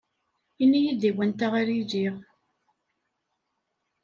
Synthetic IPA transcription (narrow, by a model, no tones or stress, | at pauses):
inːijid̪iwænt̪aʁaɾid͡ʒiʁ